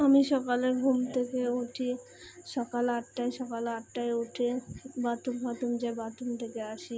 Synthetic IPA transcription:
amiʃɔkaleɾɡʱumt̪ʰekeuʈʰi | ʃɔkalaʈːaeʃɔkalaʈʈaeuʈʰebat̪umbat̪umd͡ʑabat̪umt̪ʰekeaʃi

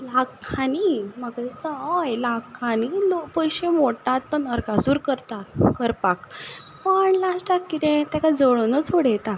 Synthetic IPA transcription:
lakʰːanimakaist̪əajlakʰːanilopəjɕẽmoʈat̪ːənəɾkasuːɾkəɾt̪akəɾpak | pəɳlasʈakːit̪ɛ̃t̪akad͡zəɭənət͡sʰoɽɛt̪a

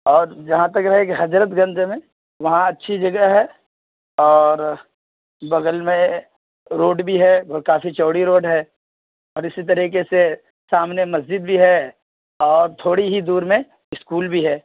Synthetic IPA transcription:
ɔːɾd͡ʒɐɦãt̪ɐkɾɐɦekeɦɐd͡ʒɾət̪ɡɐ̃nd͡ʒ̪mẽ | ʋɐɦãɐtːʃʰid͡ʒɐɡəɦɦɛː | ɔːɾ | bɐɡəlmẽ | ɾoːɖbʱiɦɛbəɾkaːfit͡ʃɔːɽiɾoːɖɦɛː | ɔːɾɪsit̪̬ɐɾiːkese | saːmnemɐzd͡ʒɪd̪̚bʱiɦɛ | ɔːɾt̪ʰoːɽiɦid̪uːɾmẽ | ɪskuːlbʱiɦɛː

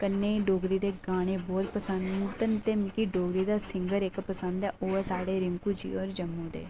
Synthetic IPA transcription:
kənːeːiɖoːɡɾiːd̪eːɡaːɽ̃eːbɔːt̪pəsənt̪ənt̪eːmɪkiːɖoːɡɾiːd̪aːsɪŋɡəɾɪkpəsənd̪ɛːʔoːɛːsaːɖeːɾɪŋkuːd͡ʒḭːɔːɾd͡ʒəmːũːd̪ḛː

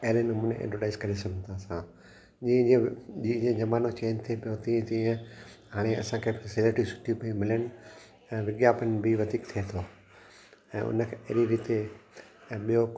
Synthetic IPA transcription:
ɐɦɾenʊmʊneʔḛ̃ɖəɖaːɪzkɐɾesɐɡʱə̃nt̪ʰaːsã | d͡ʑĩːd͡ʑeʄĩːd͡ʑẽd͡ʑɐmaːnot͡ɕeːnt̪ʰiepijot̪ĩːẽt̪ĩːə̃ɦaːɽ̃eɐ̰sãkʰeːbɪsɪleʈɾisʊ̥ʈʰiupɐĩmɪljənɪ̆ | ɛ̃ːʋɪɡjaːpənbʱɪʋɐd̪ʱiːkt̪ʰiet̪ʰoː | ɛ̃ːʊ̰nəkʰeḛɦɾiʋɪt̪e | ɓijo

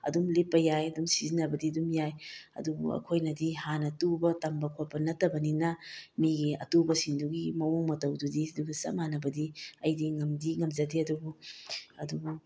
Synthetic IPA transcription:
ɐ̰dumlipːɐjajɐdumsizinɐbɐdiɐdumjajɐ̰dubṵɐ̰kʰojnɐdihanɐtubɐtɐmbɐkʰopɐnɐtɐbɐninɐmiɡiɐ̰tubɐsiŋduɡimɐwoŋmɐtɐwdudiduɡisɐ̰manɐbɐdiɐjdiŋɐmdiŋɐmd͡ʒɐdiɐdubuɐ̰dubu

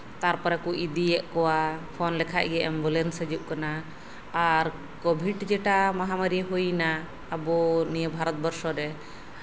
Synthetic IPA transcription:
t̪aɾpɔɾɛkuʔid̪iɛʔkɔwapʰɔnlɛkʰaʔ̚ɡɛʔɛmbɔlɛnsəd͡ʒuʔ̚kanaː | ɾ | kɔbʱiɖd͡ʒɛʈamaɦamaɾiɦujnaː | bɔnijəbʱaɾɔt̪̚bɔɾsɔɾɛ

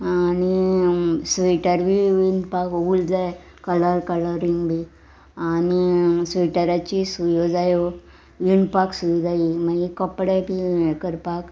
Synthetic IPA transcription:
añi | sʋiʈəɾbiʋinpakuld͡zae | kələɾkələɾiŋɡbʱi | anisʋiʈəɾat͡ɕisujod͡zajo | ʋiɳpaksuʋid͡zaiməɡikəpɽepiʋekəɾpak

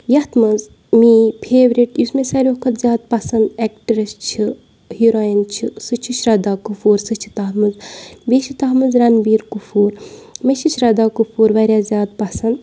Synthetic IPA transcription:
jɐht̪mɐz | mipʰeːʋɾiʈjusmesɐɾʲokɐt̪zʲjaːd̪̚pɐsɐnd̪eːk̚ʈɐɾɐst͡ʃʰi | hiɾaːjint͡ʃʰisɨt͡ʃʰut͡ʃʰɾɐd̪aːkufuːɾsɨt͡ʃʰi̥t̪ɐɦmɨzbeːʃʰit̪ɐːɦmɨzɾɐnbiːɾkufuːɾmɐʃʰit͡ʃʰɾɐd̪aːkufuːɾʋɐɾʲjaːzʲjaːd̪̚pɐsɐnd̪

